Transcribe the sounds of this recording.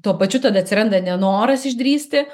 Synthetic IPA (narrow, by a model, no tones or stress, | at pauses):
t̪uɔpɐt͡ʃʲʊt̪ɐd̪ɐt̪ʲsʲɪɾɐnd̪ɐnʲɛnoːɾɐsɪʒʲd̪ʲɾʲiːsʲt̪ʲɪ